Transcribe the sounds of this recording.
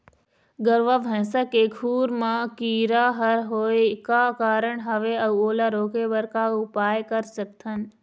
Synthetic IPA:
ɡəɾʋaʋʱə̃ːsəkeɡʰʱuːɾmãkiːɾaɦəɾɦoːekakaːɾəɽɦɐʋeɐoːlaɾoːkebəɾkaʊpaːjkəɾsək̚t̪ʰən

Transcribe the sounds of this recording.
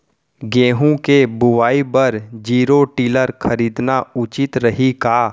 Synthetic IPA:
ɡẽːɦũkebʊʋaːibɐɾd͡ʒiːɾoʈiːləɾxʰɐɾiːd̪naʊt͡ʃɪt̪ɾɐɦikaː

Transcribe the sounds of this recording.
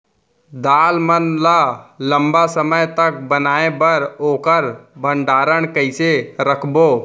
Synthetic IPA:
d̪aːlmənlalə̃mbasəməjt̪ək̚bənaːebəɾoːkəɾbʱə̃ɳɖaːɾəɽ̃kəɪseɾəkʰboː

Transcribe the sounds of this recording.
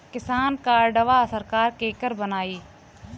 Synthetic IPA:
kɪsaːnkaːɾɖəʋasəɾkaːɾkeːkəɾbənaːiː

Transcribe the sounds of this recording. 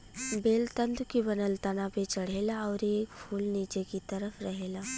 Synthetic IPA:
beːlt̪ə̃nd̪ukibənəlt̪ɐnapẽt͡ʃɐɽ̤eːlaɔːɾeːkpʰuːlniːt͡ʃekit̪ɐɾəfɾɐɦeːlaː

